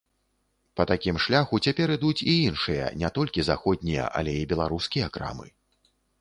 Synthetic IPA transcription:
pɐt̪akʲimʂlʲaxut͡sʲapʲɛɾɨd̪ut͡sʲiinʂɨjɐ̰nʲɛt̪ɔlʲkʲizaxɔd̪̚ʲnʲijɐ̰ʔɐ̰lʲɛibʲɛlˠaɾuskʲijɐkɾa̰mɨ̰

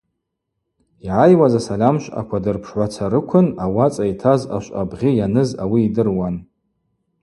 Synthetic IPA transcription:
iʕajwazasalʲamʃʷʼa̰kʷʰadɨrpʰʂʕʷat͡sʰaɾɨkʷʰʊnawat͡sʼajtʰaza̰ʃʷʼa̰bʁʲijanɨzawiːdɨrwan

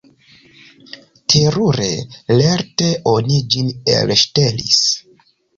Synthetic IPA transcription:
tʰeɾuɾe̞̰leɾte̞ʔonid͡ʒinḛlʃte̞lḭs

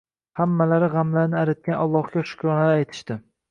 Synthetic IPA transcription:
hamːalaɾɪʁamlaɾnɪaɾat̪̚kʲanʔɒlˠːɒhɡʲaʃʊ̥kʲʰɾɒnaɪajt̪ʰɪ̥ʃt̪ɪ

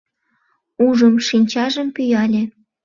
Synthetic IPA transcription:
uʒəmʃinʲt͡ɕɑʒə̆mpyjɑlʲĕ

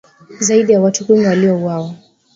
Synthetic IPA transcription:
zaiɗijawatukwimiwaliɔuwawa

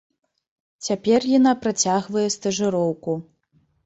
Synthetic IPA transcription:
t͡sʲapʲɛrjanapɾat͡sʲaɣvɐjɛst̪ɐʐɨɾɔwku

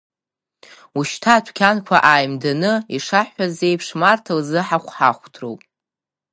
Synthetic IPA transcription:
uʃtʰatʷʰkʲʰankʷʰaʔaːjmdanɨiʂaħʷazejpʰʂmartʰalzɨħaχʷħaχʷtʰro̰wpʼ

